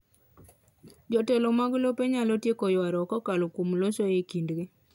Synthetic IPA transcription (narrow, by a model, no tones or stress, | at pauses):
d͡ʒɔtɛlomaɡlopeɲalɔtjekɔjwaɾɔːkɔkalokomlosoekindɡe